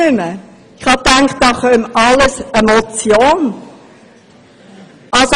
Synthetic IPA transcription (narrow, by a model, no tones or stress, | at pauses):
ʏmə | ɪχhɑtaŋkt̚d̥ɑːχœmɑləsemot͡sjoːn | ʔɑlso